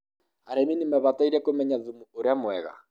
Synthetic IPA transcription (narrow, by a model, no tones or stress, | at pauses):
aɾɛminimɛβataiɾɛkomɛɲaðumuoɾeamwɛɣa̰